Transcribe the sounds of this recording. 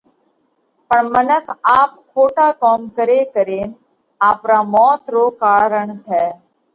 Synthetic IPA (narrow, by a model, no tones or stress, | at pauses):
pəɳmənəkʰaːp̚kʰoːʈaːkɔːmkəɾeːkəɾeːn | aːpɾaːmɔːt̪ɾoːkaːɾəɳt̪ʰɛː